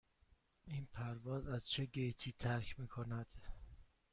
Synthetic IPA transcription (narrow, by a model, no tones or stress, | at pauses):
iːnpʰæɾvɒːzæz̥t͡ʃʰe̞ɟejt̪ʰiːt̪ʰæɾkʰmiːkʰo̞næd̪̥